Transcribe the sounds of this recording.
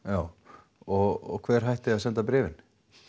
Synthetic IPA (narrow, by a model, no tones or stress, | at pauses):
jaːw | ɔɣɔkʰvɛːɾ̥ɦajht̪ɪaðsɛnt̪apɾɛːvɪn